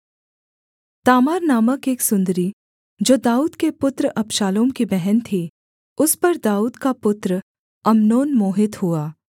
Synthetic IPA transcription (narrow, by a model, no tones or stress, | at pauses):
t̪aːmaːɾnaːməkeːksʊ̃nd̪əɾi | d͡ʒoːd̪aːuːd̪kepʊt̪ɾɐpʃaːloːmkibɛɦɛnt̪ʰi | ʊspɐɾd̪aːuːd̪kapʊt̪ɾə | ɐmnoːnmoːɦɪt̪huaː